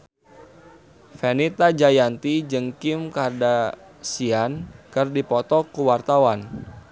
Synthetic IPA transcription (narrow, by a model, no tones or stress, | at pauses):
fenit̪ad͡ʒajant̪id͡ʒɨŋkimkarda | siankɨrdipɔt̪ɔkuwart̪awan